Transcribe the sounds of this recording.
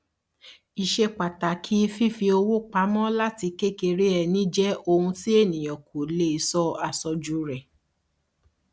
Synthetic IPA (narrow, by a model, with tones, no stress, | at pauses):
i˨ʃe˧k͡pa˨ta˨kʰi˦fi˦fi˧o˧wo˦k͡pa˨˦mɔ̃˦la˦ti˧ke˦ke˧ɾe˦ɛ˨nĩ˦d͡ʒɛ˦o˧hũ˧ti˦e˦˨nĩ˨j̃ɔ̃˨kʰo˨le˦˨i˨˧˦sɔ˦a˧sɔ˧d͡ʒu˨˦ɾɛ˨